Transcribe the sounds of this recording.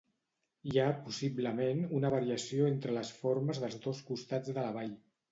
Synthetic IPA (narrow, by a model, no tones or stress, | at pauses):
iapusibləmenunəβ̞əɾiəsioent̪ɾələsfoɾməzðəlˠzdoskust̪ad͡zðələβ̞aʎ